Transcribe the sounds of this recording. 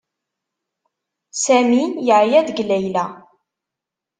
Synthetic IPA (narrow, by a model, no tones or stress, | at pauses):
sæmijəʕjæðɡlæjlæ